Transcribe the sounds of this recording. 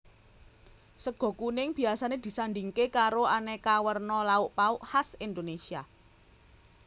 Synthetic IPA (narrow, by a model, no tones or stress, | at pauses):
səɡ̥ɔ̤kunɪŋb̥i̤asaned̪̥i̤sanɖ̪iŋkekaɾoanekawərnɔlaʊʔpaʊʔhasind̪onesia